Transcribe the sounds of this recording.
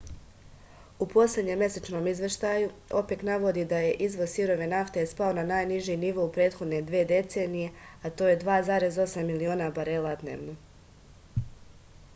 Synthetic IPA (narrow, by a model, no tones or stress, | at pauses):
upo̞slʲe̞d̪ɲe̞mːje̞set͡ʃno̞mizʋe̞ʃt̪ajuo̞̰pe̞knaʋo̞d̪id̪aje̞ʔizʋo̞siɾo̞ʋe̞naft̪espaonanaːjniʒiniʋo̞upɾe̞ːt̪xo̞d̪ne̞d̪ʋeːd̪e̞t̪se̞ːnije̞at̪o̞ːje̞d̪ʋaːzaːɾe̞zo̞samːilio̞ːnabaɾe̞ːlˠad̪ne̞̰ːʋno̞